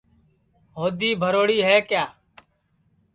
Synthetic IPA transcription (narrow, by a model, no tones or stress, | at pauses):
ɦoːd̪iːbʱəɾoːɽiːɦɛːkjaː